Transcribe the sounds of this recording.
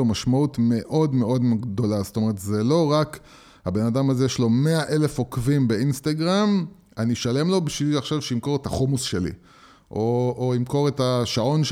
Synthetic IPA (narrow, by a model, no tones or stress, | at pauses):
omaʃmautme̞ʔo̞dme̞ʔo̞dmɡd̪o̞lasto̞me̞ʁetzelo̞ʁak | habe̞nadamazejeʃlo̞me̞aʔe̞le̞fo̞kvimbe̞inst̪aɡʁam | aniʃale̞mlo̞biʃviliaχʃavʃeimko̞ʁetaχomusʃe̞lḭ | ʔoːimko̞ʁetaʃao̞nʃ